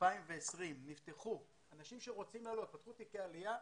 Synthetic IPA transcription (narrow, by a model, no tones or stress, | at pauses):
paimveesʁimnift̪e̞χu | anaʃimʃe̞ʁo̞t͡simlaːlo̞t̪̚pat̪χut̪ikealija